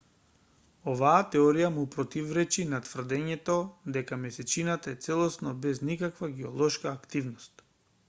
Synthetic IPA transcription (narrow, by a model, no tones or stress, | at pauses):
ovaːt̪ɛɔɾijamupɾɔt̪ivɾɛt͡ʃinat̪vr̩d̪ɛɲɛt̪ɔd̪ɛkamɛsɛt͡ʃinat̪aɛt̪sɛlˠɔsnɔbɛznikakvaɡɛolˠɔʃkaːkt̪ivnɔst̪